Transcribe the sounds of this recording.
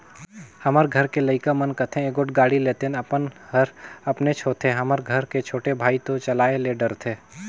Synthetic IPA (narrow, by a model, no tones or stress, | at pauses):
hɐməɾɡʱɐɾkelɐɪkamənkət̪ʰẽeɡoʈɡaːɽileːt̪enɐpənhəɾɐpnet͡ʃʰoːt̪ʰeɦɐməɾɡʱəɾket͡ʃʰoːʈebʱaːit̪ot͡ʃɐlaːeleɖəɾt̪ʰeː